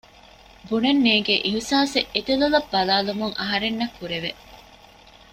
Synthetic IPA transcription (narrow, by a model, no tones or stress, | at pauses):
bunɐnːeːɡeʔiɦusaːseʔet̪elulɐbːɐlaːlumuŋɐɦɐɾenːɐkːuɾeʋe